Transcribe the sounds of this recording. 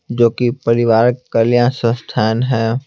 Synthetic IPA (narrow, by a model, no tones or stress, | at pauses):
d͡ʒoːkipəɾɪʋaːɾkəljãsə̃st̪ʰaːnɦɛː